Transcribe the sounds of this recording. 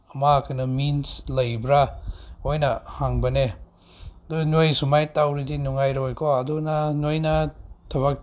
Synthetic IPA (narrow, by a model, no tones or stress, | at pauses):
ɐmakʰɯnɐminslɐjbɾaojnɐhaŋbɐne | dunojsumajtawɾidinuŋajɾojkʰɔɐdunanojnɐtʰɐβak̚